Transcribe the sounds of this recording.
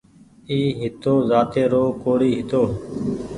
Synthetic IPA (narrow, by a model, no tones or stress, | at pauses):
iːɦɪt̪oːzaːt̪eːɾoːkoːɽiːɦɪt̪oː